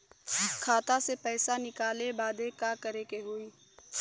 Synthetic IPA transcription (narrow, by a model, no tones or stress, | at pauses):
kʰaːt̪asepɛːsanɪkaːlebaːd̪ekaːkəɾekeɦoːiː